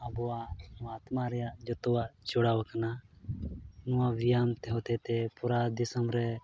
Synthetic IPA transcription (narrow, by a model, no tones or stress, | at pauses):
abɔwaʔnɔat̪maɾɛjaʔd͡ʒɔt̪ɔwaʔt͡ʃɔɽawakana | nɔwawijamt̪ɛɦɔt̪ɛt̪ɛpuɾad̪isəmɾɛ